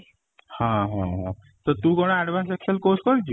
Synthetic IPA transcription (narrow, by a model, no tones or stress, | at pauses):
hãɦãɦã | t̪əɾt̪uːkoɽ̃ãɛɖʋãnsekʂəlkoskəɾd͡ʑi